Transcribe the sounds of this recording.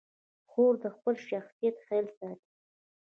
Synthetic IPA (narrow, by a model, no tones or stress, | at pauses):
xoɾd̪əxpəlʃaxsijat̪xelsɑt̪i̥